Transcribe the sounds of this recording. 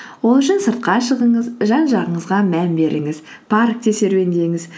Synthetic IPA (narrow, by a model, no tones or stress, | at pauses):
wo̞lˠʏʃɪnsəɾt̪̚qɑʃəʁəɴəzʒɑnʒɑʁəɴəzʁɑmænbe̞ɾʔɪŋɪz | pʰark̚t̪ʰe̞se̞ɾwe̞nd̪e̞ŋɪz